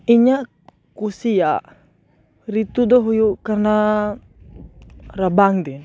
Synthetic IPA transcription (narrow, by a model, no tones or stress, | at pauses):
iɲa | kusiaʔ | ɾit̪udɔɦujukarna | rabaŋdin